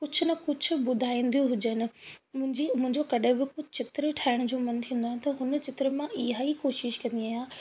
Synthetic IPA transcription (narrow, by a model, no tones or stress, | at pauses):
kʊt͡ɕʰʊnɐkʊd͡ʑʱʰʊ̆bʊd̪ʱaːĩːn̆d̪ijũɦʊd͡ʑənɪ̆mʊ̃ɦɪ̃ɲd͡ʑimʊ̃ɦɪ̃ɲd͡ʑokɐɗẽbɪkot͡ɕɪt̪ɾeʈʰaːɪɽ̃ʊd͡ʑoːmɐnt̪ʰĩːn̆d̪oanɪt̪ɐɦʊnət͡ɕɪt̪ɪɾemãʔiɦaːikoːʃɪʃkɐ̃nd̪iaːjaː